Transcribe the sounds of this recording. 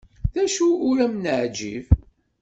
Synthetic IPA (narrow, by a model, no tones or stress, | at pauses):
ðæʃuːɾæmnəʕd͡ʒḭv